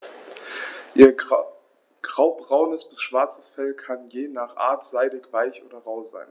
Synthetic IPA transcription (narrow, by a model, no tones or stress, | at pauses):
ʔiːɐ | ɡ̥ʁaʊbʁaʊnəsb̥ɪsʃv̥aɐt͡sə̥sfɛlkʰanjeːnaːχʔa̰ːɐtz̥aɪdɪkv̥aɪçʔo̰ːdɐʁaʊza̰ɪn